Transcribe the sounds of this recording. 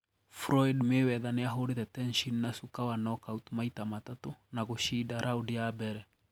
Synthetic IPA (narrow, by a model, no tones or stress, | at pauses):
fɾɔjdmɪwɛðanɪaɦʊdɪt̪ɛtɛnʃinːasukawanɔkawt̪mait̪amat̪at̪ʊnaɡoʃidaɾʔawdɪabɛɾɛ